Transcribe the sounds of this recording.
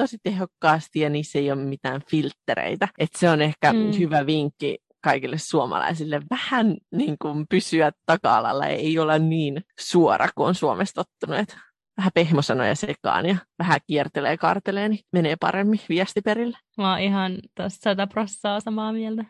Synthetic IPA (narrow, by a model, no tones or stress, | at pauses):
t̪osit̪ehokːɑːst̪ijjɑniːsːeijoːmmit̪æːnfilt̪ːeɾḛit̪æet̪seonehkæhyʋæʋiŋkːḭ | kɑikilːessuomɑ̰lɑ̰isilːeʋʋæhænniːŋkumpysyæt̪tɑkɑɑlɑ̰lːɑ̰ḛiolenniːnsuorʔɑ̰kuonsuomʔest̪ot̪ːunuet̪ | ʋæhæpehmosɑno̰jɑsekɑ̰ːnjɑʋæhækiɛrt̪elḛːkɑ̰rt̪eleːnimeneːpɑ̰remːiʋiæst̪ipeɾilːe̥ | ʋɑːihɑnt̪ossɑt̪æprosːɑːsɑmɑːmiɛlt̪æ